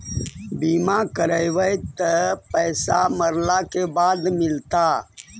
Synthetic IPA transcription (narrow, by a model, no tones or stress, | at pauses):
biːmakəɾəjʋəjt̪əpəːsa̰məɾlakebaːd̪mɪlt̪a